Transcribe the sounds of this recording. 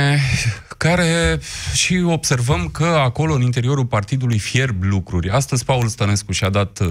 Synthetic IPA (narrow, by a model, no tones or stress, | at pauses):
kaɾe̞ʃio̞b̥se̞rvəmkəako̞lo̞ɨnint̪e̞ɾio̞ɾulpart̪id̪ulujfie̞rblukɾurʲast̪əzʲpaulst̪əne̞skuʃiad̪at̪